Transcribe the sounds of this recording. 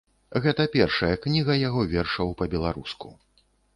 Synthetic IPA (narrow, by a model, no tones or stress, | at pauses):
ɣɛt̪ɐpʲɛrʂɐjɐknʲiɣɐjaɣɔvʲɛrʂɐwpɐbʲɛlˠaɾuskṵ